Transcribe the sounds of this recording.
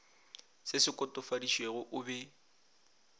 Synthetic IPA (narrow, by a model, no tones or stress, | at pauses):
sɪsɪkʼɔtʼɔfadiʃweɣʊʔʊbɛ